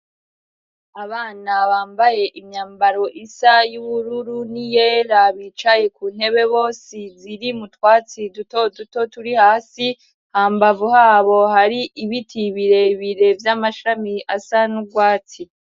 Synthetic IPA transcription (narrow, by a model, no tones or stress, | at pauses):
aβaːnaβaːmbaje̞ʔimɲaːmbaɾo̞ʔisajuβuɾuɾunije̞ɾaβiːt͡ʃaje̞kuːnhe̞βe̞βo̞ːsiziɾimutwaːt͡sidutoduto̞tuɾihaːsi | haːmbavuhaːβo̞haɾiʔiβitʰiβiɾe̞βiɾe̞vjamaʃamiʔasanuɡwaːt͡si